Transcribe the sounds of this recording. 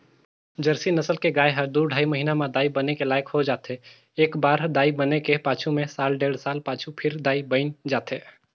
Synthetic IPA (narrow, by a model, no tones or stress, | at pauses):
d͡ʒəɾsinəsəlkeɡaːeɦəɾd̪uːɾɖʱaːiməɦiːnamed̪aːibənekelaːjkhod͡ʒaːt̪e | eːkbaːɾd̪aːibənekepaːt͡ʃʰumẽsaːlɖeːɽsaːlpaːt͡ʃʰupʰɪɾd̪aːibəɪnd͡ʒaːt̪eː